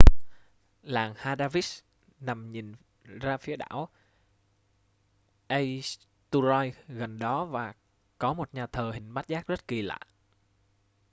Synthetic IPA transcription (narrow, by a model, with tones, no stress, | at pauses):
laː˨˩ŋhaː˧ɗaː˧vi˦˥t̚ | na˨˩mɲi˨˩n | zaː˧fi˨˦ɗa̰ː˧˥˨w | ʔə˧j | t̪u˧zɔ˧jɣə˨˩nɗɔ˨˦vaː˨˩ | kɔ˨˦mo˨˩t̚ɲaː˨˩t̪ʰəː˨˩hï˨˩ŋ̟ma˦˥kt̚zaː˦˥k̚zə˦˥t̚ki˨˩la̰ː˧˨j